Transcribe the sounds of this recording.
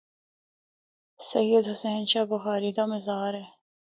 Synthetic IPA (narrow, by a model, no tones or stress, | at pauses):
sɐjːəd̪ɦʊseːnʃaːbʊxaːɾiːd̪aːmɪzaːɾɦɛː